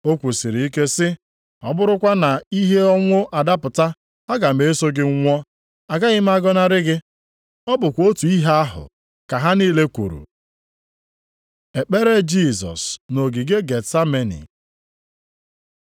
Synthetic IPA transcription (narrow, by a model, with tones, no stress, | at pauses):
o˦kʷu˨si˨ɾi˨i˦ke˦sɪ˦ | ɔ̰˦bʊ˦ɾʊ˦kʷa˦na˨i˦ɦe˦ɔ˦ŋʷʊ˦ʔa˨da˦pʊ˨ta˦ | a˦ɡa˨m̩e˨˦so˦ɡɪ˦ŋ̩˦ŋʷɔ˦ | a˨ɡa˦ɣɪ˦m˦a˦ɡɔ˦na˦ɾɪ˦ɡɪ˦ | ɔ˦bʊ˨kʷo˦tu˨i˦ɦe˦a˦ɦʊ̰˨ | ka˨ɦa˦niː˦le˦kʷṵ˨ɾṵ˨ | e˨k͡pe˦ɾe˦d͡ʒi˦˨zɔ̰˨sno˨ɡi˨ɡe˦ɡe˨tsa˦me˨nḭ˨